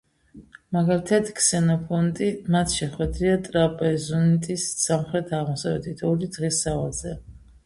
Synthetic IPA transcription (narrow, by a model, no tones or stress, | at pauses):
maɡalit̪ʰat̪ʰkʰsɛnɔpʰɔnt̪ʼimat̪ʰʃɛχwɛd̪ɾiat̪ʼɾapʼɛzɔnt̪ʼisːamχɾɛt̪ʰaʁmɔsavɛ̰t̪ʰit̪ʰɔlid̪ʁisavalˠz̥ɛ